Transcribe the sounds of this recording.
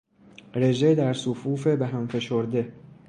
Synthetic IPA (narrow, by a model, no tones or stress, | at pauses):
ɾe̞ʒed̪æɾsofuːfe̞beɦæmfe̞ʃoɾd̪e̞